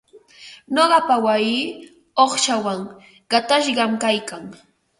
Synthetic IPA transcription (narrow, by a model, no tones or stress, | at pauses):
noɢɑpawajiː | oχʃawaŋ | ɢ̥ɑt̪aʃɢɑmkajkaŋ